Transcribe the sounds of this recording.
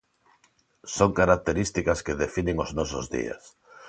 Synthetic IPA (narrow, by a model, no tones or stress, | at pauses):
soŋkaɾak̚t̪eɾist̪ikaskeðefinɪ̃ŋoznɔsʊzðḭa̰s